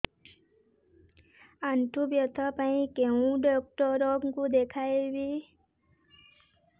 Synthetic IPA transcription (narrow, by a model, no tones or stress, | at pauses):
aɳʈubjət̪ʰəpaĩkeũɖɔk̚ʈɔɾoɡkud̪ekʰaeʋi